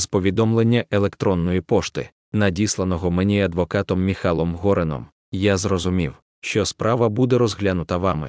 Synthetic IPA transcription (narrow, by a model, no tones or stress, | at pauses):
spɔʋʲid̪ɔmlˠe̞nʲːɐʔelˠe̞kt̪ɾɔnːɔjipɔʃt̪ɪ̰ | nɐdʲislˠɐnɔɦɔmenʲiɐd̪ʋɔkɑt̪ɔmːʲixɑlˠɔmɦɔɾenɔ̰m | jazrɔzʊmʲiw | ʃt͡ʃɔspɾʔɑʋɐbud̪ɛɾɔzɦlʲanʊt̪ɐʋɑmɪ̰